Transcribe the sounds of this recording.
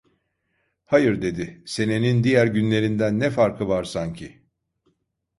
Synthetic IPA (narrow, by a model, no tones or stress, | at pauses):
hajɯɾd̪e̞d̪ɪse̞ne̞nind̪ijæɾɟynlʲe̞ɾind̪ænːɛfaɾkʰɯvaɾsaɲcʰɪ